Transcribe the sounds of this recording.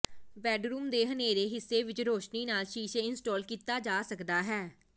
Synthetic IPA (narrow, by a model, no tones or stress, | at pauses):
ʋɛːɖɾuːmd̪eːɦəneːɾeːɦɪsːeːʋɪt͡ʃɾoːʃniːnaːlʃiːʃeɪnsʈɔːlkiːt̪aːd͡ʒaːsəkd̪aːɦɛː